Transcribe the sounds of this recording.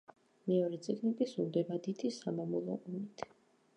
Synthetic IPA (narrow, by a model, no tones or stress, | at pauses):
mɛɔɾɛt̪sʼiɡnikʼisuld̪ɛbad̪it̪ʰisamamɔlˠɔ̰ʔɔmit̪ʰ